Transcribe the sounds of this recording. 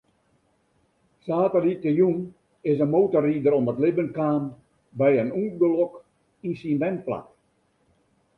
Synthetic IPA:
saːtəlitəjun | ɪsənmoːtəriːdəɾɔmətlɪbənkaːn | bɛjənuːɡəlɔk | insinʋɛnpla̰t

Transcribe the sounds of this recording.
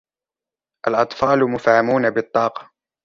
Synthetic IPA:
ʔalʔɑt̪ˤfɑːlmʊfʕamuːnabɪt̪ˤːɑːqɑ̥

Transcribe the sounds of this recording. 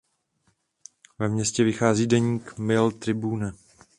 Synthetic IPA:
vɛmɲɛscɛvɪxaːziːdɛɲiːkmɪlt̪ɾɪbuːnɛ

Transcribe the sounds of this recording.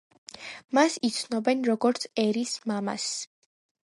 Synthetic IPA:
masit̪sʰnɔbɛnɾɔɡɔɾt̪sʰɛɾismama̰s

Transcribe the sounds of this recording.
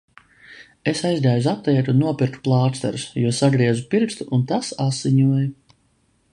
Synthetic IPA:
esajzd̪aːjuzap̚t̪ɛjt̪unːuɔpʲiɾkt̪u̥plˠaːt̪st̪ɛ̰ɾusjuɔsaɡɾiɛzupiɾkst̪uʔunt̪asasːiɲuɔju

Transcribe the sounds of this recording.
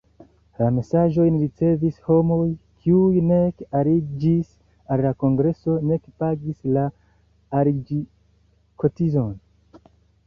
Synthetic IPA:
lame̞saʒo̞jnɾit͡se̞visho̞mo̞jkʰiujne̞kaɾid͡ʒis | allako̞ŋɡɾe̞so̞ne̞kpaɡislaː | ɾid͡ʒi | kʰo̞tizo̞n

